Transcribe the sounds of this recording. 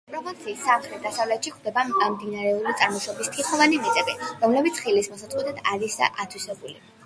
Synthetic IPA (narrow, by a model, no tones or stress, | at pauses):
pʼɾɔpʰɔnt̪sʰiːsːamχɾɛt̪̚d̪asavlɛt̪ʃikʰd̪ɛbamd̪inaɾɛuɾit̪sʼaɾmɔʃɔbist̪ʰiχɔvanimit̪ʼɛbiɾɔmlɛbit̪sʰχilismɔsat̪sʼqʼwɛt̪ʰɛt̪ʰaɾisd̪a̰ʔat̪ʰwisɛbuli